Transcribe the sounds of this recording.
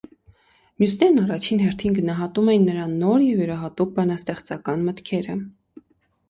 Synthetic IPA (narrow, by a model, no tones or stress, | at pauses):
mjusnɛɾnɑrɑt͡ʃʰinɦɛɾt̪ʰinɡənɑɦɑt̪umɛjinːəɾɑnːɔɾjɛvjəɾɑɦɑt̪uk̚bɑnɑst̪ɛχt͡sɑkɑnmət̪kʰɛɾə